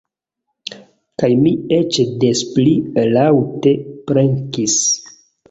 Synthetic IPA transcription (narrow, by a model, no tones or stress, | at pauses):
kajmiet͡ʃdesplilawtepɾeŋkis